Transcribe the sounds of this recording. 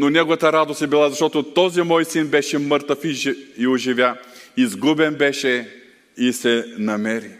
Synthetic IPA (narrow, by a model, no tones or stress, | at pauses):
nonɛɡovɐt̪əɾad̪ost̪ɛbilˠazɐʃt̪ɔt̪ot̪ɔzimɔjsinbɛʃɛmɤɾt̪əfiioʒivʲjaizɡubɛnbɛʃɛ | isɛnɐmɛɾi